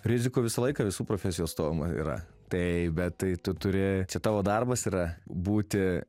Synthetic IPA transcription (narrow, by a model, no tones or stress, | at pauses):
ɾʲɪzʲɪkuːʋʲɪsɐlˠɐɪkɐːʋʲɪsuːpɾoːfʲɛsʲɪjoːst̪oːʋʲɪmɐḭɾɐ̰ | t̪ɐɪbʲɛt̪t̪ɐɪt̪ʊt̪ʊɾʲɪt͡ʃʲɛt̪ɑːʋoːd̪ɐrbɐsiːɾɐbuːt̪ʲɪ